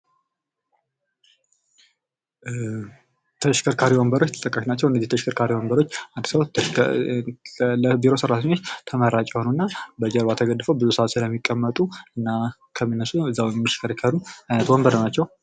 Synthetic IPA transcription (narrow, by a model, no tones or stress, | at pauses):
t̪ʰəʃkʰəɾkʰaɾiwɔmbəɾo̞t͡ʃːt̪ʰə̥t̪ʼəkʼːaʃnat͡ʃːɛwɨndəziht̪ʰəʃkʰəɾkʰaɾiwɔmbəɾo̞t͡ʃːʔand̪səw | ləbiɾo̞sɨɾat̪ʰəɲːo̞t͡ʃːt̪ʰəməɾat͡ʃʼɛhonunːabəd͡ʒəɾbat̪ʰəɡəd̪ːfəwbɨzusəat̪sɨləmːikʼːəmːət̪ʼuɨnːakʰəmɨnːəsuɨzːawjɛmːəʃkʰəɾikʰaɾuajnət̪wɔmbəɾnəwnat͡ʃːɛw